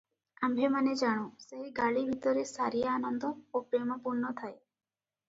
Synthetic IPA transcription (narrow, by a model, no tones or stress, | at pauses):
ambʱemaned͡ʒaɽ̃ũseɦiɡaɭibʱit̪ɔɾesaɾijaanɔnd̪ʱɔopɾemɔpuɾnɔt̪ʰae